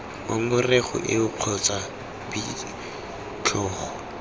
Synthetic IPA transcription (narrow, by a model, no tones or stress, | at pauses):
maŋʊreχʊ̰ʔɪʊq͡χʰɔt͡sʼa | bi | t͡ɬʰɔːχɔ